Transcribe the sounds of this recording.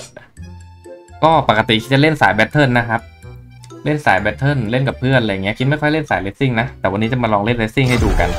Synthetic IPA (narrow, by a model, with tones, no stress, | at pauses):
kɔː˥˩pa˨˩kːa˧t̪i˨˩kʰi˦˥t͡ɕa˨˩le˥˩nsaː˩˦jbɛ˦˥t̪ʰːɤː˥˩˨nːa˦˥kʰa˦˥p̚ | le˥˩nsa̰ː˩˦jbɛ˦˥t̪ʰːɤ˥˩nle˥˩nka˨˩pʰɯ˥˩ənla˧ja˨˩ŋːi˦˥ɐkʰi˦t̪ma˥˩jkʰɔ˥˩jle˥˩nsaː˩˦jle˦˥t̪̚si˥˩ŋna˦˥t̪ɛː˨˩wa˧nːiː˦˥t͡ɕa˨˩ma˧lɔː˧ŋle˥˩nle˦˥t̪si˥˩ŋhɦa˥˩jduː˨˩ka̰˧n